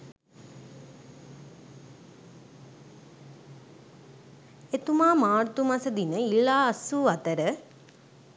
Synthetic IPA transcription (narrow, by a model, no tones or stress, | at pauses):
et̪umaːmaːɾt̪umasəd̪inəilːaːsːuːat̪əɾə